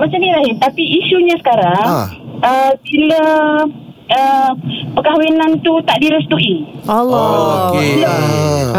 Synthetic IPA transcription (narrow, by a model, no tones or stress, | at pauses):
mat͡ʃamnĩɾaɦɪt̪apiːsuɲasə̥kaɾaŋəbilə | əpəkawinant̪ut̪aʔdiɾʊst̪uʔi | lə